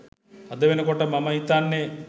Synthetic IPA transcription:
ɐd̪ɐʋenɐkɔʈəmɐmɐit̪anːe

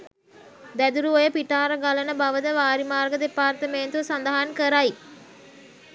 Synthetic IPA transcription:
d̪æd̪uɾuʋojəpiʈaːɾəɡalənəbaʋəd̪əʋaːɾimaːrɡəd̪epaːrt̪əmeːnt̪uʋəsand̪ɐɦankəɾai

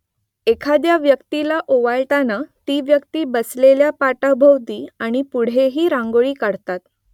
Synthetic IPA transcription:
ekʰad̪jaʋjəkt̪ilaʔoʋaɭʈanat̪iːʋjəkt̪iːbəsleljapaʈabʱəwt̪iːaɽ̃ipuɽ̤eɦiːɾãŋɡoɭiːkaɽt̪at̪

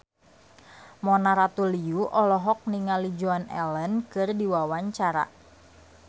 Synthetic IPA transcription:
mɔnaɾat̪uliuʔɔlɔɦɔk̚niŋalid͡ʒuanɛ̰lənkɨrdiwawaɲt͡ʃaɾa̰

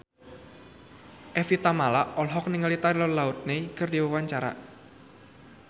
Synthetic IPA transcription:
ʔefit̪amalaʔɔlɦɔk̚nɪŋəlit̪aɾilɔnlaut̪̚nekərdiwəwaɲt͡ʃaɾa̰

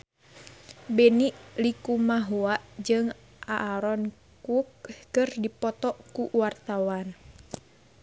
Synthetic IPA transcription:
bɛniʔlikumaɦuaʔd͡ʒɨŋ | ʔaʔːɾɔn | kuk̚kɨrdipɔt̪ɔʔkuwart̪awan

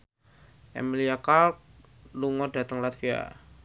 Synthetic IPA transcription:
ɛ̰miliakalk̚ | luŋɔda̤t̪əŋlat̪fia̰

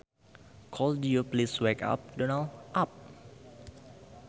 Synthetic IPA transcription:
kʰɔldujupliswɛka̰p̚dɔnalʔap̚

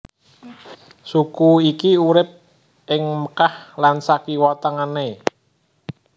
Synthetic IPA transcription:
sukuikiuɾɪp̚ | ʔɪŋməkahlansakiwɔt̪əŋane

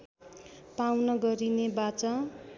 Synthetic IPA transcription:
pawnʌɡʌɾinebat͡sʌ

